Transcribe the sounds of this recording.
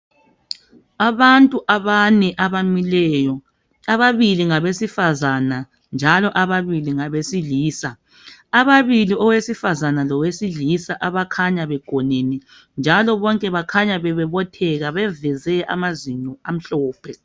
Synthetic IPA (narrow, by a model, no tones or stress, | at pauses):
aβantʼuʔaβanɛʔaβamilɛːjɔ | aβaβiliŋaβesifazana | nd͡ʒʱalɔʔaβaβiliŋaβesiliːsa | aβaβiliɔwesifazanalɔwesiɮisaʔaβakʰaɲaβɛɡ̥ʱɔnɛnɛ | nd͡ʒʱalɔβɔŋkʼɛβakʰaɲaβɛβɛβɔtʰɛɣaβɛvɛzɛʔa̰maziɲɔam̩ɬɔːpʰɛ